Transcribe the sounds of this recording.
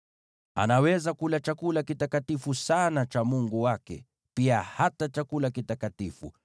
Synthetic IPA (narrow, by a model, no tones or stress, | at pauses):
a̰nawɛzakulat͡ʃakulakitakatifusanat͡ʃamuŋɡuwakɛ̰ | piahatat͡ʃakulakitakatifṵ